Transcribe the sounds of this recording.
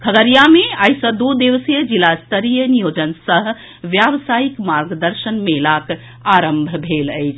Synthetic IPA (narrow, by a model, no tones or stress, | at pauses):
kʰəɡəɾjameaisə̃d̪ud̪eʋsijəd͡ʒilast̪əɾijənijod͡ʒənsəɦ | ʋjaʋsaikmaɾɡd̪əɾʃənmelak | aɾəmbʱbʱeləɪt͡ʃʰ